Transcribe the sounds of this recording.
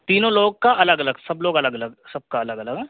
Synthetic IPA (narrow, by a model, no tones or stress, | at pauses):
t̪iːnõloːɡ̚kaʔɐləɡɐləɡsɐbloːɡɐləɡɐləɡsɐb̚kaɐləɡɐləɡɦɛː